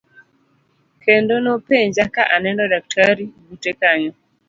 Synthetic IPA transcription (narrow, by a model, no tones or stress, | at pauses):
kendonɔpeɲd͡ʒakaʔanɛndɔdak̚tʰaɾiɡutekaɲɔ